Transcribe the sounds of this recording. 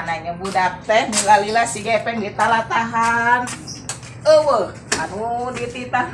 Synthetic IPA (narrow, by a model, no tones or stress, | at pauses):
naɲəbudapɛhnilalilasiɡɛpɛŋdit̪alat̪aɦan | əwəh | anudit̪it̪a